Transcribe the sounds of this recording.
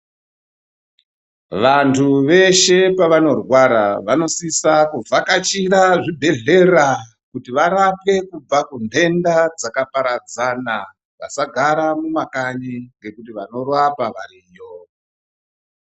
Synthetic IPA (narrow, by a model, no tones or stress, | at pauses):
ʋantʰuʋe̞ʃe̞paʋano̞rwaɾaʋano̞sisakub͡vakat͡ʃiraʐibʱe̞ɮe̞ra | kutiʋaɾape̞kub͡vakundʱe̞ndad͡zakapaɾad͡zana | ʋa̰saɡʱaɾamumakaɲiŋɡe̞kut̬iʋano̞rwapaʋariːjo